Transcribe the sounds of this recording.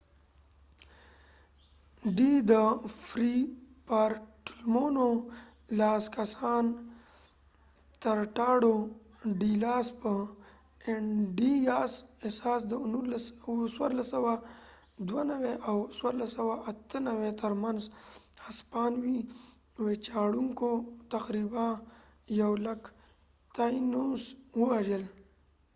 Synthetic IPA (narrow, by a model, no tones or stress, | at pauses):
ɖid̪əfɾipaɾʈulmono | lɑːskasɑːn | t̪aɾʈɑɽo | ɖilɑːspə | eɖijaːsesɑːs̬d̪ənulswa̰ɾlasəwa | d̪wanaweʔawswaɾlasawaʔat̪ənawet̪əɾmanzhaspɑːnwi | wet͡ʃaɽuŋkot̪aqɾibã | jawlak | t̪ajinuswəwaʒəl